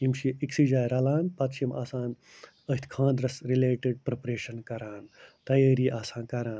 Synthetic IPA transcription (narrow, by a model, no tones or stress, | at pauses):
imʃiiksid͡ʒaːjɾɐlaːnpɐt̪ʃʰima̰ːsãːn | əɦit̪ʰkʰãːnd̪ɾɐsɾileːʈeɖ̚pɾɐpɾeːʃɐnkɐɾaːnt̪ɐjəːɾiːʔaːsãːnkɐɾãːn